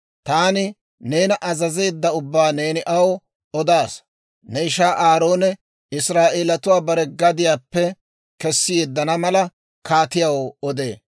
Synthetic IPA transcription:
t̪aːnɪ | ne̞ːnɐʔɐzɐzeːd̪ːɐʊbːaːne̞ːnɪʔɐwɔ | ɔd̪aːs | nɛɪʃaːʔaːɾo̞ːnɛ | ɪsɾaːʔeːlɐt̪ʊwaːbɐɾɛɡɐd̪ɪjaːpːɛ | kɛsːɪjeːd̪ːɐnɐmɐlɐ | kaːt̪ɪjɐwɔd̪ḛː

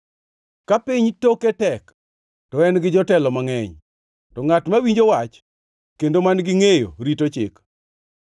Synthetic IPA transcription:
kapɪɲtoketɛk | tɔɛnɡɪd͡ʒɔtɛlɔmaŋɛɲ | tɔŋatmawiɲd͡ʒowat͡ʃ | kendomanɡɪŋejo̰ɾitot͡ʃɪ̰k

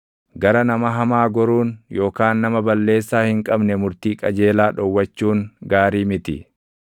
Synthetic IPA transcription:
ɡɐɾɐnɐmɐɦɐmaːɡɔɾuːnjo̞ːkaːnːɐmɐbɐlːe̞ːsːaːhɪŋkʼɐbnɛmʊɾt̪iːkʼɐd͡ʒe̞ːlaːᶑɔwːɐt͡ʃːuːŋɡaːɾiːmɪt̪ɪ̰

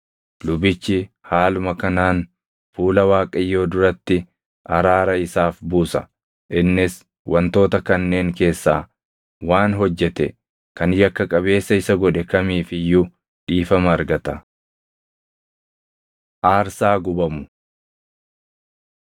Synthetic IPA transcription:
lʊbɪt͡ʃːɪ | haːlʊmɐkɐnaːn | fuːlɐwaːkʼɐjːo̞ːd̪ʊɾɐt̪ːɪ | ʔɐɾaːɾɐɪsaːfbuːsɐ | ʔɪnːɪs | wʔɐnt̪o̞ːt̪ɐkɐnːe̞ːŋke̞ːsːaː | waːnɦɔd͡ʒːɛt̪ɛ̰ | kɐnjɐkːɐkʼɐβe̞ːsːɐɪsɐɡɔᶑɛkɐmiːfɪjʊ | ᶑiːfɐmɐːɾɡɐt̪ɐ | ʔaːɾsaːɡʊbɐmʊ

